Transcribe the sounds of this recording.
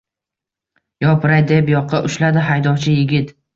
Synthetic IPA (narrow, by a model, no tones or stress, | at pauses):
jɒpʰɪɾajd̪epjɒqʰːɑʔʊʃlad̪ɪɦajd̪ɒwt͡ʃʰɪjɪɡʲɪt̪